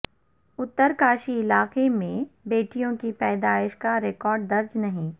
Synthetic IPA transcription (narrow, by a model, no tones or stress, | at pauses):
ʊt̪ːəɾkaːʃiɪlaːqemẽbeːʈijõkipɛːd̪aːɪʃkaɾekɔːɾɖ̚d̪ɐɾd͡ʒnɐɦĩː